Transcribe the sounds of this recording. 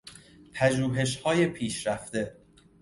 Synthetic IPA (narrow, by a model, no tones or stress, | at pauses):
pʰæʒuːɦe̞ʃ̬hɒːje̞pʰiːʃɾæft̪e̞